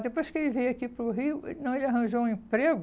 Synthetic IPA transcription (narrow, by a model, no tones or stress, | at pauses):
d̪epojskelɪvejɐkipɾʊɦiʊḛt̪ɐ̃w̃elɐɦɐ̃ʒoũẽpɾeɡʊ